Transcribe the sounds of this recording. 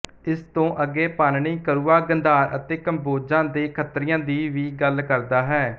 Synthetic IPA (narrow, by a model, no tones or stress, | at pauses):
ɪst̪õːʔəɡːeːpaːnɳiːkəɾuːaːɡənd̪aːɾə̰t̪eːkəmboːd͡ʒãːd̪eːkʰət̪ɾɪjãːd̪iːʋiːɡəlkəɾd̪aːɦɛː